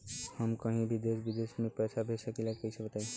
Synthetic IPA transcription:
həmkə̃ɦĩbʱid̪esbid̪esmepɛːsʰabʱesəkilakeisʰəbət̪aɦĩ

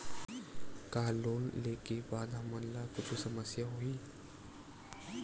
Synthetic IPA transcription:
kalonlekibad̪ɦamənlakut͡ɕʰisəməsjaɦoiː

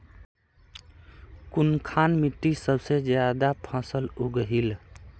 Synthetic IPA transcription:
kunkʰanmiʈːisəbsed͡ʒjad̪apʰə̃səluɡɦil

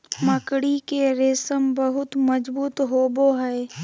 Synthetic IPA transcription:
məkɽikeɾɪsəmbəɦʊt̪mɐd͡ʒbuːt̪ɦoːboɦɛː

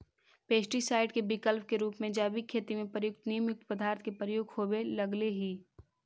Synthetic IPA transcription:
peːsʈisaːɪɖkebɪkəlp̚keɾuːpmẽd͡ʒaːbikʰeːt̪imẽpɾəjʊk̚t̪niːmjʊk̚t̪pəd̪aːɾt̪ʰkepɾəjʊɡhoːbelɐɡleɦiː

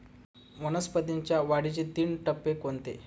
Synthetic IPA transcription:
mənəspət̪iɲt͡ɕjaʋaɽit͡ɕid̪iːɳʈəpːekont̪ḛ

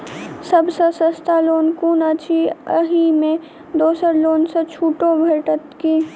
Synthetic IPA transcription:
sɐbsəsəst̪ʰaloːnkuːnat͡ʃʰiəɦimẽ | d̪oːsəɾloːnset͡ʃʰuːʈõbʱeʈət̪kiː

